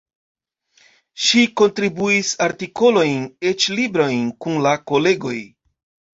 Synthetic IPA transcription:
ʃiko̞ntɾibuisaɾtiko̞lo̞jne̞t͡ʃlibɾo̞jnkunlako̞le̞ɡo̞j

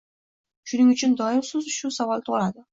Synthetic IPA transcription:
ʃʊnɪŋʊt͡ʃʰɪnd̪ɒɪmsɪzʊʃusavɒlˠt̪ʰoʁlad̪ɪ

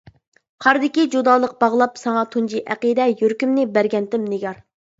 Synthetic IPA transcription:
qʰɑɾd̪ɪkʲid͡ʒud̪ɑːlˠəq̚bɑʁlˠɑpsɑŋɑt̪ʰund͡ʒiʔæ̰qid̪ɛjøɾkʲymnɪbæɾɡʲɛnt̪ɪmnɪɡʲɑɾ

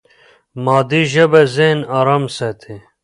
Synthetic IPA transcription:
maːd̪iʑɐbɐzenaːɾamset̪ʰe

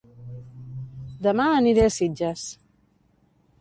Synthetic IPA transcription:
d̪əmaəniɾesid͡ʒəs

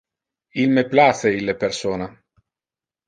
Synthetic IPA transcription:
ilmeplaseilːepersoːna

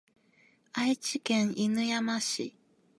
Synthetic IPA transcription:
ait͡ɕikẽŋinɯjamaɕḭ

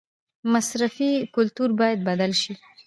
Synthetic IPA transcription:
masɾafikʊlt̪uɾbɑjad̪̚bad̪alʃi

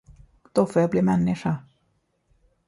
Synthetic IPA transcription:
d̪̥ofoːjaːbliːmɛnːɪʂa

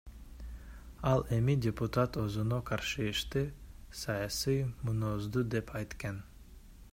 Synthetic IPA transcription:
ɑlˠe̞midʲeput̪at̪ozunoqʰɑɾʃɯːʃt̪ɯsɑjasijmunozd̪ud̪epʰɑjt̪kɑn

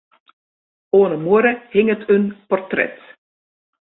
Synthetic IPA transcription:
oːnəmuəɾəhɪŋətʰənpɔrtrɛ̰t

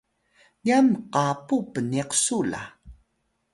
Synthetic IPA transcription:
jamqapupəniqsula̰

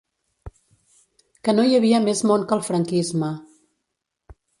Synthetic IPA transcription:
kənojəβ̞iəmezmoŋkəlˠfɾəŋkizmə

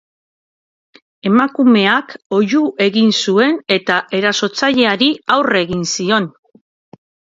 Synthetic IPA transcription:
e̞makume̞ako̞juʔe̞ɣinsue̞ne̞t̪aʔe̞ɾaso̞t͡saʎe̞aɾiawre̞ɣinsio̞n

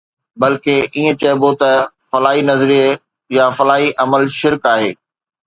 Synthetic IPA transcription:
bɐlkeʔiːẽt͡ɕɐɪbot̪ɐfɐlaːɦinɐzɾijə | jafɐlaːɦiʔɐməlʃɪɾkaːɦeː

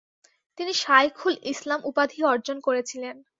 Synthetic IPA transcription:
t̪iniʃajkʰulislamʔupad̪ʱiɔɾd͡ʑonkoɾet͡ɕʰilen

